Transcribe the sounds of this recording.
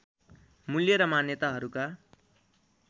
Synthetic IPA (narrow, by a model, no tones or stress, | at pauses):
muljʌɾʌmanjʌt̪aɦʌɾuka